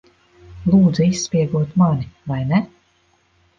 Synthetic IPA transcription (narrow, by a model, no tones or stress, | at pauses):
lˠuːd̪zuisːpʲiɛɡuɔt̪manivajnɛ